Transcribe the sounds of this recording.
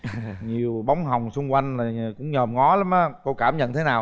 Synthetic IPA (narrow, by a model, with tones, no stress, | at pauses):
ɲi˨˩əwɓa˨˦wŋ͡mɦa˨˩wŋ͡msʊ˧ŋ͡mkwa˧jŋ̟laː˨˩˨kʊ̰˧˥ŋ͡mɲəː˨˩mŋɔ˨˦la˨˦mʔaː˨˦ko˧kaː˧˩mɲə̰˧˨nt̪ʰe˨˦naː˨˩w